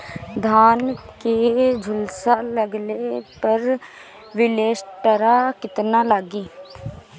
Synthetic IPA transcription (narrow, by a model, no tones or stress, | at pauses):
d̪ʱaːnked͡ʒʱʊlsaləɡlepəɾ | ʋɪleːʃʈəɾakɪt̪nalaɡiː